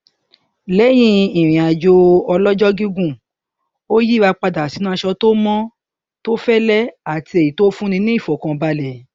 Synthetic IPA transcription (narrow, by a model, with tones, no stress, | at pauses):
lɛ˨˦j̃ĩ˦ĩ˨ɾ̃ĩ˨a˨d͡ʒo˧ɔ˧lɔ˦d͡ʒɔ˦ɡi˦ɡũ˦˨ | o˦ji˦˨a˧k͡pa˧da˨si˨˦nũ˦˧ʃɔ˧to˦mɔ̃˦ | to˦fɛ˦lɛ˦a˨ti˧e˨ji˨to˦fũ˦nĩ˧nĩ˦i˦˨fɔ˨kã˧ba˧lɛ˨